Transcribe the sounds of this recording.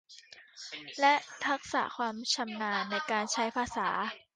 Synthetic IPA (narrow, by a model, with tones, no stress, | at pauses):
lɛ˦˥t̪ʰa˦˥k̚sa̰ː˩˦kʰwaː˧mt͡ɕʰa˧mnaː˧nːa˧jkaː˧nt͡ɕʰa˦˥jpʰaː˧saː˩˦